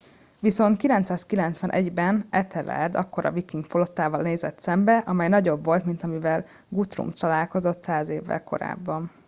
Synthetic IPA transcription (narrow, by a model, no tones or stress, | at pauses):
ʋiso̞nt̪kilɛnt̪saːskilɛnt̪sʋɒnʔɛɟbɛnɛt̪ʰɛlɛ̰rd̪ɒkːo̞ɾɒ̰vikiŋɡfolo̞t̪ːaːvɒlneːzɛt̪sɛmbɛʔɒmɛjnɒɟo̞bvo̞lt̪mint̪ɒmivɛl | ɡut̪rṵmt̪ɒlaːlko̞zo̞t̪saːzeːvːɛ̰lko̞̰ɾa̰ːbːɒn